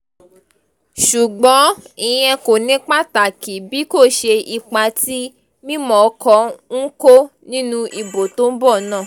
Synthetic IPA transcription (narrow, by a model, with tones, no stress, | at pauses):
ʃu˨ɡ͡bɔ̃˨˦i˧jɛ̃˧ko˨nĩ˨˦k͡pa˦ta˨ki˨bi˨˦ko˦˨ʃe˧i˧k͡pa˧ti˦ | mĩ˦mɔ̃˨˦kɔ˧ŋ̩˦ko˦nĩ˦nũ˧˦ʔi˧bo˨to˨˦n̩˦bɔ˦˨nãː˦˨